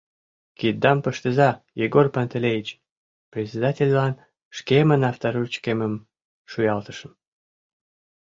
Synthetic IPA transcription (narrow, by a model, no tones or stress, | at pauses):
kid̪̚d̪ɑmpəʃt̪əzɑjiɡorpant̪elʲejit͡ɕ | prʲesʲed̪ɑtʲelʲlɑn | ʃkemənɑft̪ɑɾut͡ɕkeməm | ʃujɑlt̪ə̥ʃəm